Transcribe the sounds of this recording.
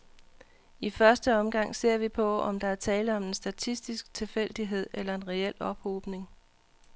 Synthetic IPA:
ifɶɐsd̥əɒ̽mɡ̥ɑ̈ŋ̰se̝ɐ̰ʋipʰɒ̽ɒ̽md̥ɑ̈æɐt͡sʰɛːləɒ̽me̝nsd̥æt͡sʰisd̥isɡ̥t͡sʰe̝fel̰d̥iɦe̝ð̰ˠelɐe̝nʁɛel̰ɒ̽b̥hoːb̥ne̝ŋ

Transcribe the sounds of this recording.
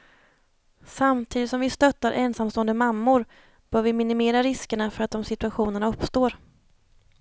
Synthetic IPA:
samt̪ʰiːd̪ɪt̪sɔmvɪst̪œt̪ːaɾʔɛnsamst̪oːənd̪əmamːʊɾ | b̥œːɾvɪmɪnɪmeːɾaɾɪskəɳafœɾat̪̚d̪ɔmsɪt̪ɵaɧuːnəɳaɵpːst̪oːɾ

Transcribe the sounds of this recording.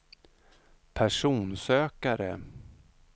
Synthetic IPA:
pʰæʂuːnsøːkaɾə̰

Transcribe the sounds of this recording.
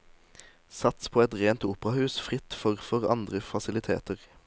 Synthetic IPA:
sɑt̪spʰoːɛt̪ʁeːnt̪uːpəʁɑhʉːsfʁɪt̪fɔʁfɔʁɑ̰nd̪ʁəfɑsɪlɪt̪ʰḛːt̪əʁ

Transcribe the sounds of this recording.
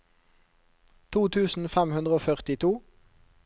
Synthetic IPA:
t̪ʰuːt̪ʰʉːsn̩fɛmhʉnd̪ʁəoːfœʁt̪ɪt̪ʰuː

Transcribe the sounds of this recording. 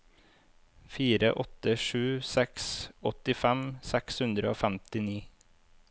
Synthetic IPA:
fiːɾə̰ʔɔt̪əʃʉːsɛksɔt̪ɪfɛmsɛkshʉnd̪ɾəoːfæmt̪ɪniː

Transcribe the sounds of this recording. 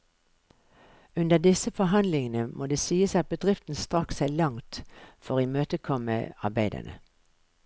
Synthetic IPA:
ʉnd̪əd̪ɪsəfɔɦɑnd̪lɪŋənəmʔoːd̪eːsiːəsɑt̪̚bəd̪ʁɪft̪n̩st̪ʁɑksæːlɑŋt̪fɔʁiːmøːt̪əkʰɔmə̰ɑbæɪd̪ə̰nə̰

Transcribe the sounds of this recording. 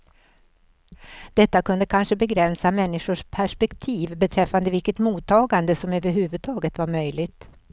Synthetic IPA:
d̪̥ɛt̪ːakɵnd̪əkʰanʂəbɛɡɾɛnsamɛnːɪʂʊʂpʰæʂpɛkt̪ʰiːvbɛt̪ʰɾɛfːand̪əvɪlkət̪muːt̪ʰːɑːɡand̪əsɔmøːvəɾɦʉːvɵd̪̚t̪ʰɑːɡət̪vaɾmœʏlɪɡt̪

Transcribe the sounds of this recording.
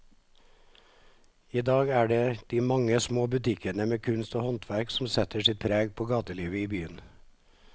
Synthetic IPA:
iːd̪ɑːɡæːɖeːd̪̥iːmɑŋəsmoːbʉt̪ʰɪkənəmeːkʰʉnst̪oːhɔnt̪ʰʋæɾksm̩sɛt̪əʂɪt̪̚pʰɾeːɡpʰoːɡɑːt̪əliːʋəiːbyːən

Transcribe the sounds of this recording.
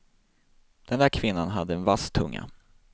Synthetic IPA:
d̪̥ɛnd̪æːɾkʰvɪnːanɦad̪ːəɛnvast̪ʰːɵŋːa̰

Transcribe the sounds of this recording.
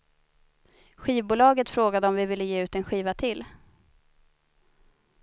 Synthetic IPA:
ɧiːvbuːlɑːɡət̪fɾoːɡad̪əɔmvɪvɪlːəjeːʉ̟ːt̪ɛnɧiːvat̪ʰɪl

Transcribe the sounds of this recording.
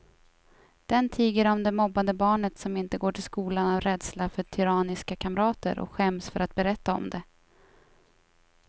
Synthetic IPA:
d̪̥ɛnt̪ʰiːɡəɾɔmd̪ɛmɔbːad̪əbɑːɳət̪sɔmɪnt̪əɡoːʈʰɪlskuːlanavɾɛd̪slafœʈʰʏɾɑːnɪskakʰamɾɑːt̪ə̰ɾʔɔ̰kɧɛmsfœɾat̪̚bɛɾɛt̪ːaɔ̰md̪ɛ

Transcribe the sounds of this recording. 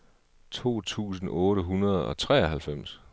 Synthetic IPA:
t͡sʰo̝̰ːt͡sʰṵːsn̩ɔ̽ːɾəɦunɐð̞ˠɒ̽t͡sʰʁɛ̰ːɐɦælfem̰s

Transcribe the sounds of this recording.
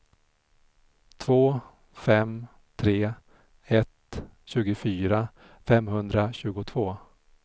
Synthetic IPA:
t̪ʰvoː | fɛm | t̪ʰɾeː | ɛt̪ɕʉ̟ːɡʊfyːɾa | fɛmhɵnd̪ɾaɕʉ̟ːɡʊt̪ʰv̥oː

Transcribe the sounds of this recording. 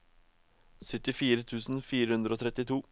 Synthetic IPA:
sœt̪ɪfiːɾət̪ʰʉːsn̩fiːɾəhʉnd̪ɾəoːt̪ʰɾɛt̪ɪt̪ʰuː

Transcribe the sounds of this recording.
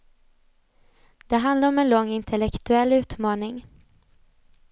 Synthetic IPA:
d̪̥ɛɦand̪laɾɔmɛnlɔŋːɪnt̪ʰɛlɛkt̪ɵɛlːʉ̟ːt̪mɑːnɪŋ

